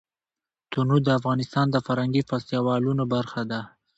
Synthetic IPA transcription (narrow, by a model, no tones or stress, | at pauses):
t̪unud̪əafɣɑnɪst̪ɑnd̪əfaɾhaŋɡifɑst̪jɑwɑlunobaɾxad̪a